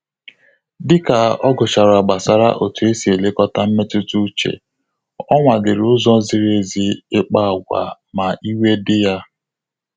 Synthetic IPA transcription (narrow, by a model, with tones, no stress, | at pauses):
dɪ˦ka˨ɔ˦ɡʊ˨t͡ʃa˨ɾʊ˨a˨ɡ͡ba˨sa˦ɾa̰˦ʔo˨tu˨e˦si˨e˨le˦kɔ˦ta˦m̩˦me˦tʊ˦tu˦t͡ʃḛ˨ | ɔ˦ŋʷa˨dɪ˨ɾʊ˦zɔ˦zɪ˦ɾe˦˨zi˦ɪ˦k͡pa˦˨ɡʷa̰˨ | ma˨ʔi˦we˦dɪ˦ja˦